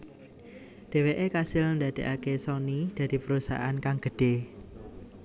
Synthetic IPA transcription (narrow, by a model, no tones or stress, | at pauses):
d̪̥e̤weʔekasɪlnd̪a̤d̪̥e̤ʔakesɔnid̪̥ä̤d̪̥i̤pəɾusa̰ɦa̰ankaŋɡ̥ə̤d̥e̤